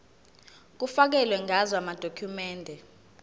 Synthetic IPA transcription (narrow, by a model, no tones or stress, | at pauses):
k̬ufak̬ɛlwɛŋazwamad̥ʱokʰumɛːndʱɛ